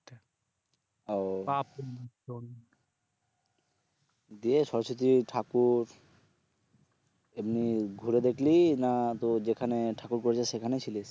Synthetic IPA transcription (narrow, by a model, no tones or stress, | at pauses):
opap | on | d̪ieʃɔɾoʃot̪̬iʈʰakuɾ | emniɡʱuɾed̪ekʰlinat̪od͡ʑekʰaneʈʰakuɾkoɾet͡ɕʰaʃekʰanet͡ɕʰiliʃ